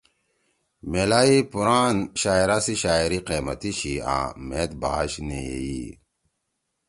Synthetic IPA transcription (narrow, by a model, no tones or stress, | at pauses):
melaːipuɾaːnɕaːiɾasiɕaːiɾiqeːmɐt̪iɕiã̰ːmet̪̚ba̰ːɕneḛi